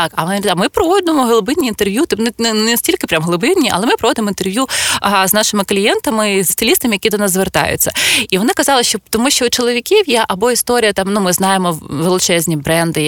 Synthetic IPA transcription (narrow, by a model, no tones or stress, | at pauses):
ɑkɐnʲd̪amɪpɾɔʋɔd̪ɪmɔɦɔlˠʊbɪnʲiːnt̪erʋʲjut̪nnɛsʲtʲilʲkɪpɾʲamɦɔlˠʊbɪnʲːiʔɐ̰ɛmɪpɾɔʋɔd̪ɪmɔint̪erʋjuznɑʃɪmɪklʲijɛnt̪ɐmɪzst̪ɪlʲist̪ɐmɪjɐkʲid̪ɔnɑzzʋert̪ɑ̰jʊ̰t͡sʲːɐ̰iʋɔnɪkɐzɑlˠɪʃt͡ʃɔt̪ɔmuʃʲt͡ʃɔʊt͡ʃɔlˠɔʋʲikʲiwjɛʔɐbɔist̪ɔɾʲijɐt̪ɑmnumɪznɑjemɔʋelˠɪt͡ʃɛzʲnʲibɾɛnd̪ɪ